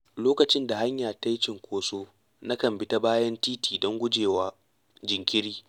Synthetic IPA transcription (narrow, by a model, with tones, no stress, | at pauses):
loː˦kɐ˨t͡ʃɪ˦nda˨ha˦ɲjaː˨ta˦jt͡ʃɪ˨ŋkʷoː˦soː˦ | na˦kɐ˨mbɪ˦ta˦baː˦jɐ˦ntiː˦tiː˨dɔ˦ŋɡʷʊ˦d͡ʒeː˨waː˦ | d͡ʒɪ˨ŋkʲɪ˦ɽiː˦